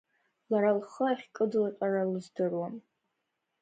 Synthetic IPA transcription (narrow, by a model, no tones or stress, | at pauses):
laɾalχəaχʲkʼɨdɨlaqʷʼaralɨzdɨrwan